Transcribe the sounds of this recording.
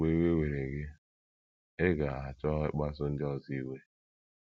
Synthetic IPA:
e˦we˦we˨ɾe˨ɡɪ˦ | ɪ˦ɡa˨a˨t͡ʃɔ˦ɪ˦k͡pa˦sʊ˦n̩˦dɪ˦ɔ˦zi˦we˦

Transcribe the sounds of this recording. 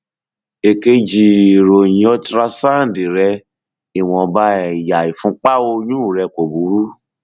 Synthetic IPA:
e˨˧ke˦d͡ʒi˧˨ɾo˨jĩ˧˦ɔ˦tɾa˧sã˦˨di˨ɾɛ˧ | i˨w̃ɔ̃˧ba˦˨ja˨i˨fũ˧˦k͡pa˦wo˧jũ˦˨ɾɛ˧ko˨bu˨˦ɾu˦

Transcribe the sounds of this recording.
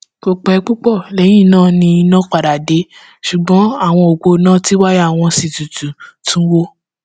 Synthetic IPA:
ko˧k͡pɛ˧˦k͡pu˦k͡pɔ˦˨lɛ˨˦j̃ĩ˦˨nãː˦˨nĩ˧i˧nã˦k͡pa˨da˨de˨˦ | ʃu˨ɡ͡bɔ̃˨˦a˦˨w̃ɔ̃˧o˨ɡ͡bo˧˦nã˦ti˦wa˦jw̃ɔ̃˧si˨tu˨tũ˨tũ˨˦wo˦

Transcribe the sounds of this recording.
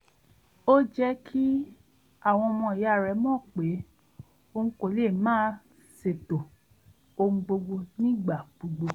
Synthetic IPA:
o˦d͡ʒɛ˦kʰi˦ | a˦˨w̃ɔ̃˧ɔ˧mɔ̃˧i˨ja˨˦˨ɾɛ˨˦mɔ̃˦˨k͡pe˨˦ | o˧ŋũ˦ko˨lmãː˦ | se˨to˨ | o˧ũ˧˦ɡ͡bo˧ɡ͡bo˧nĩ˦ɡ͡ba˦˨ɡ͡bo˧ɡ͡bo˧

